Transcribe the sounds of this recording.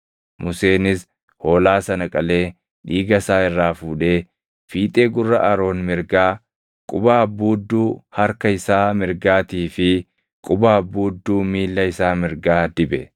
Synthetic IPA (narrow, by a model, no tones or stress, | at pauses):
mʊseːnɪs | ho̞ːlaːsɐnɐkʼɐle̞ː | ᶑiːɡɐsaːɪrːaːfuːᶑe̞ː | fiːt̪ʼe̞ːɡʊrːɐʔɐɾo̞ːnmɪɾɡaː | kʼʊbaːbuːd̪ːuːhɐɾkɐɪsaːmɪɾɡaːt̪iːfɪ | kʼʊbaːbuːd̪ːuːmiːlːɐɪsaːmɪɾɡaːd̪ɪbɛ